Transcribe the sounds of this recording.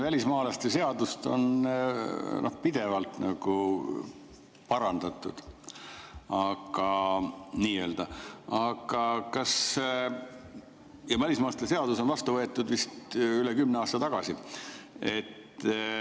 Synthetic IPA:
vælʲismɑːlɑst̪ese̞ɑd̪ust̪o̞̰n | nʔohpid̪̥e̞vɑlt̪nɑɡ̥u | pɑɾɑnd̪̥ɑt̪ːˑud̪̥ | ɑɡ̥ɑniːeːld̪̥ɑɑɡ̥ɑkɑs | jɑvælʲismɑːɑst̪ese̞ɑd̪uso̞nvɑst̪uvɤet̪ːˑud̪vist̪ylekymːneɑːst̪ɑt̪ɑɡ̥ɑsi | e̞t̪ː

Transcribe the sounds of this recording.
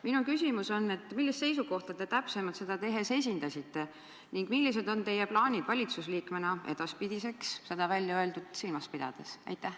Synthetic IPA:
minukysʲimuso̞nːe̞t̪ːˑmilːist̪se̞jsuko̞ht̪ɑt̪e̞t̪æpse̞mɑt̪se̞d̪̥ɑt̪e̞ɦese̞s̬ʲind̪ɑsit̪ːe̞ | niŋɡ̥milːis̬e̞d̪o̞nt̪e̞jeplɑːnʲid̪̥vɑlʲit̪susliːkmenɑe̞d̪ɑspid̪̥ise̞ksse̞d̪̥ɑvælʲjɑø̞ld̪ud̪̥silmɑspid̪̥ɑ̰d̪̥e̞sɑ̰jt̪ːˑæh

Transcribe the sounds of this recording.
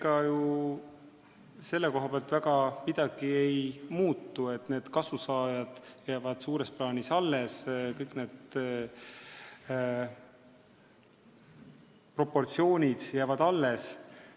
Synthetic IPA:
kɑju | se̞lːeko̞ɦɑpeɑlt̪væɡ̥ɑmid̪̥ɑɡ̥ie̞jmuːt̪ˑːue̞t̪ːˑne̞ːd̪̥kɑsusɑːjɑd̪̥jæːvɑd̪̥suːɾe̞splɑːnʲisɑlːe̞skɤjkne̞ːd̪ | pro̞pːo̞rt̪sio̞ːnʲid̪̥jæːvɑd̪̥ɑlːe̞s

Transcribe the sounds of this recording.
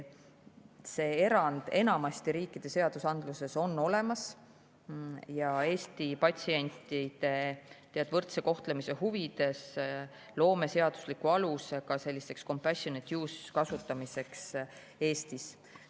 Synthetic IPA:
se̞ːe̞ɾɑnd̪̥e̞nɑmɑst̪iɾiːkːˑid̪̥e̞seɑd̪̥usɑnd̪luse̞so̞nːo̞le̞mɑs | jɑe̞ːst̪ipɑt̪ʲsie̞nʲt̪id̪̥e̞t̪eɑd̪̥vɤrt̪se̞ko̞ht̪lemise̞huvid̪̥e̞s | lo̞ːme̞se̞ɑd̪̥uslikːuɑlusekɑse̞lʲːise̞ksko̞mpæsonet̪ːjuːskɑsut̪ːˑɑmise̞ks | e̞ːst̪is

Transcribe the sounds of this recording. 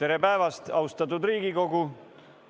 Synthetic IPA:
e̞ɾepæevɑst̪ɑwst̪ɑt̪ːˑud̪ɾiːɡiko̞ɡu

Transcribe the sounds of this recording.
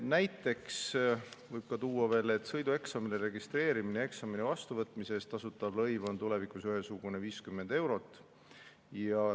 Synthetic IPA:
næjt̪ːˑe̞kssvɤjb̥̚kɑt̪uːɑve̞ːle̞t̪ːˑsɤ̞jd̪ue̞ksɑmileɾe̞ɡist̪ɾe̞ːɾiminee̞ksɑminevɑst̪uvɤt̪ːˑmise̞ːst̪ːɑsut̪ːˑɑblɤjvo̞nt̪ule̞vikusyɦesuɡ̥uneviːskymːe̞nd̪̥e̞wɾo̞t̪ːˑ | jɑ

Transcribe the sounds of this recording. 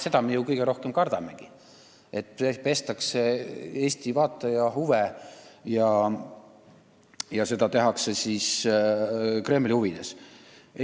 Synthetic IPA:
se̞d̪̥ɑmejukɯjɡ̥eɾo̞hke̞mkɑrd̪̥ɑme̞̰ɡ̥i | e̞t̪ːpepe̞st̪ɑkse̞e̞ːst̪ivɑːt̪ːˑɑjɑɦuvejɑ | jɑse̞d̪ɑt̪e̞ɦɑkse̞sis | kre̞ːmlʲihuvid̪̥es

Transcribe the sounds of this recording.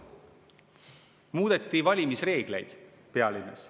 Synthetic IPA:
muːd̪̥e̞t̪ːˑivɑlʲimisre̞ːɡ̥le̞̰jd̪̥ | peɑlinːes

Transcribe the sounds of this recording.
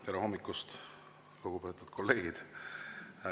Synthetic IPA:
keɾeho̞mːikːust̪ | luɡ̥upe̞ːt̪ːˑud̪̥kʰo̞lːe̞ːɡ̥id̪̥

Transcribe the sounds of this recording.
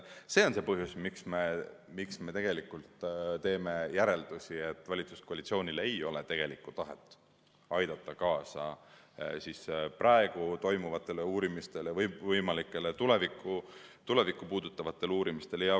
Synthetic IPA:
se̞ːo̞nse̞pɤɦjusmiksme̞miksme̞t̪e̞ɡ̥e̞likːˑult̪t̪e̞ːme̞jæɾe̞ld̪̥usie̞t̪ːˑvɑlʲit̪su̥skoɑlit̪sio̞ːnʲileejo̞le̞t̪e̞ɡ̥e̞likːˑut̪ɑɦe̞t̪ːˑ | ɑjd̪̥ɑt̪ːɑkɑːsɑ̰ | sisprʔɑe̞ɡ̥ut̪o̞jmuvɑt̪ːˑe̞leuːɾimist̪e̞levvɤjmɑlikːˑe̞let̪ule̞vikˑːut̪ule̞vikːˑupuːd̪̥ut̪ːˑɑvɑt̪ːˑe̞luːɾimist̪e̞ljɑ

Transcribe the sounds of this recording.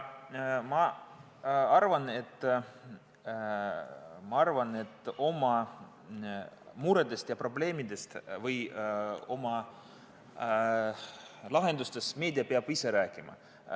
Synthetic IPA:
mɑ | ɑrvɑne̞t̪ː | mɑɑrvɑne̞t̪ːˑo̞mɑ | muɾed̪̥e̞st̪jɑpro̞ble̞ːmid̪e̞st̪vɯj | o̞mɑ | lɑɦe̞nd̪ust̪e̞sme̞ːd̪iɑpeɑb̥ise̞ɾæːkːˑimɑ̰

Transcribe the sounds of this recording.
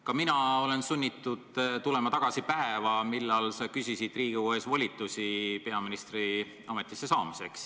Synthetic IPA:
kɑminɑo̞le̞nsunʲːit̪ːud̪̥t̪ule̞mɑt̪ɑɡ̥ɑsipæevɑmilːɑlsɑkysʲisid̪̥riːɡ̥iuhe̞svɑlʲit̪ːˑusʲipe̞ɑminist̪ri | ɑmet̪ːˑisːe̞sɑːmise̞ks

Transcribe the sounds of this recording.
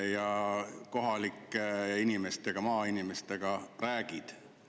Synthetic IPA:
jɑko̞ɦɑlikːˑeinimest̪eɡ̥ɑmɑːinime̞st̪e̞ɡ̥ɑræːɡ̥id̪̥

